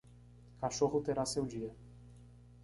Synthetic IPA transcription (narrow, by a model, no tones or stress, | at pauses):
kaʃoɦʊt̪eɾasewd͡ʒiɐ